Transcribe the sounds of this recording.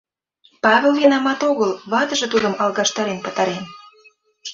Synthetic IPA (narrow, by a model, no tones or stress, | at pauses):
pɑβelvienɑmɑt̪oɣəlβɑt̪ə̆ʒĕt̪ud̪ə̆mɑlˠɣɑʃt̪ɑɾenpə̆t̪ɑɾen